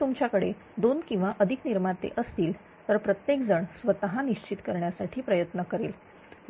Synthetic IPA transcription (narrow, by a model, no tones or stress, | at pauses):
umt͡ɕjakəɽe | d̪onkĩw̃ʋaʔəd̪ʱikniɾmaɾt̪ḛʔəst̪iːl | t̪əɾpɾət̪jekd͡zəɳsʋət̪əɦaniɕt͡ɕit̪kəɾɳjasaʈʰiːpɾəjət̪nəkəɾeːl